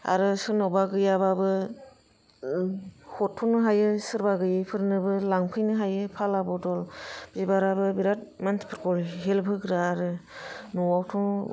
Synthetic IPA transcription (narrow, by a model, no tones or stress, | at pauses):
a̰ɾɯsɯnɔwbaɡɯjababɯ | hɔtʰːunɯɦajɯsɯɾbaɡɯjɯpʰɯɾnɯbɯlaŋpʰɯjnɯɦajɯpʰalabɔdɔlbzibaɾabɯbiɾat̚mantʰi̥pʰɯɾkɔɾɦelpʰɯɡɾɯaɾɯnuwawtʰɔŋ